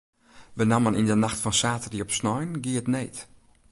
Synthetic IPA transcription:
ʋənamənindənaxtfɔnsaːtəriɔpsnɔjnɡiətneːt

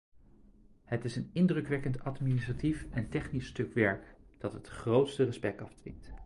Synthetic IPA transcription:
hətɪsənɪndrəkʋɛkəntɑtministratifɛntɛχnistɵkʋɛɹkd̥ɑtɦətχrowtstərəspɛk̚tɑfdʋɪ̰nt

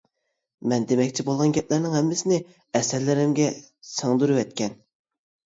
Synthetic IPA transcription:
mɛnd̪emɛkʲt͡ʃʰɪbolˠʁɑnɡʲɛplæɾnɪŋhɛmːɪsɪnɪ | ɛsɛɾlɪɾɪmɡʲɛ | səŋd̪uɾɨwɛt̪̚kʲɛn

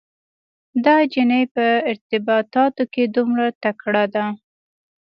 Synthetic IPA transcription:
d̪ɑd͡ʒɪnəjpəɪɾt̪ɪbɑt̪ɑt̪oked̪umɽat̪akɽad̪a

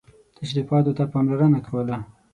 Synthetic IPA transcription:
t̪ʰaʃɾifɑt̪ot̪apɑmlaɾənakʰawəla

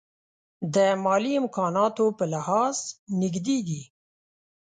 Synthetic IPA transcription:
d̪əmɑliɪmkɑnɑt̪opəlɪhɑznɪɡd̪ed̪i

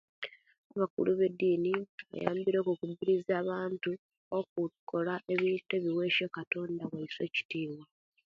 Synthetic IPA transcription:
aβakṵluβe̞dːiːniβa̰ja̰ːmbiɾo̞ːkukubiɾizaːβaːntu | ok̚ukʰːo̞laʔe̞βiːntwe̞ːβiwe̞ːʃokato̞ːndaβwaisweːci̥tiːβwa

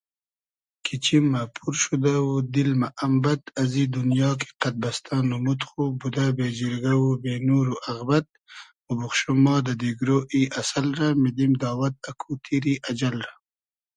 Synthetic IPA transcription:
kʰit͡ɕimːapʰuɾʃud̪awud̪ilmaʔːmbat̪ɐzid̪unjɑːki̥qat̪̚bɐst̪ʰɑːnumut̪xubud̪abed͡ʒiɾɡawubeːnuːɾuʔɐɣbat̪̚mubuxʃumɑːd̪ad̪iɡɾoːʔiʔasalɾamid̪imd̪aːwat̪̚akʰut̪ʰiɾiʔad͡ʒalɾa

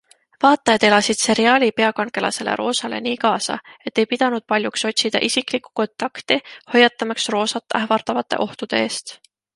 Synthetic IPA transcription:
vɑːt̪ːˑɑjɑd̪e̞lɑsid̪̥se̞ɾiɑːlʲipe̞ɑkɑnke̞lɑ̰se̞le̞̰ɾo̞ːsɑle̞̰niːkɑːsɑ̰e̞t̪ːe̞jpid̪̥ɑnud̪̥̚pɑlʲjukso̞t̪ʲsid̪̥ɑ̰ʔisikˑliku̥ko̞nt̪ˑɑkt̪iho̞jɑt̪ːˑɑmɑksro̞ːsɑt̪ːˑæhvɑrt̪ɑvɑt̪ːˑe̞̰ʔo̞ht̪ud̪̥e̞e̞ːst̪

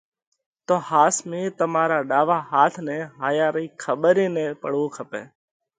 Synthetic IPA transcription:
t̪oːhaːsmẽːt̪əmaːɾaːɗaːʋaːɦaːt̪ʰnẽːɦaːjaːɾəiːkʰəɓəɾeːnẽːpəɽõːkʰəpeː

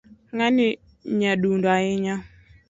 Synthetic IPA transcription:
ŋanɪ | ɲaɗundoaɪɲa

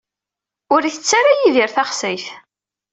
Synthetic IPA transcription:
ʊɾiθət͡sːaɾajiðiɾθaχsæjθ

